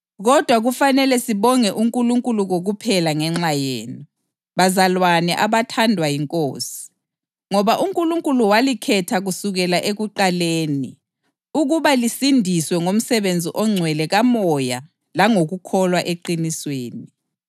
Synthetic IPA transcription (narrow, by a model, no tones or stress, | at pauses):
ɣɔd̥ʱwaɣufanɛlɛsiβɔŋɛʔuŋkʼuluŋkʼuluɣoɣupʰɛlaŋɛŋ͡ǁajḛːni | βazalwanɛʔaβatʰandʱwajiŋkʼo̰ːsi̥ | ŋɔβaʔuŋkʼuluŋkʼuluwalikʰɛtʰaɣusuɣɛlaʔeɣuǃaleːni | uɣuβalisindʱiswɛŋom̩sɛβend͡zʱiʔɔŋ͡ǀʱwɛlɛɣamɔja | laŋoɣukʰɔlwaʔeǃinisweːni